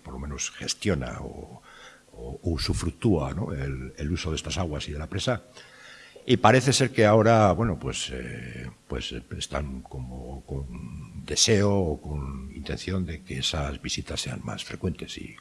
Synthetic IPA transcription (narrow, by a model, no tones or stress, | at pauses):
poɾlome̞no̞sxe̞st̪jo̞na̰o̰ | oːsufɾuk̚t̪uano̞̰eleluso̞ð̞e̞st̪asaɣ̞wasið̞e̞lapɾe̞sa | ipaɾeθe̞se̞ɾke̞ao̞ɾaβwe̞no̞pwe̞sḛpwe̞̰sest̪aŋko̞moko̞nd̪e̞se̞oːko̞nint̪e̞nθjo̞nd̪e̞keesazβisit̪asːe̞a̰nma̰sfɾe̞kwe̞nt̪e̞sḭ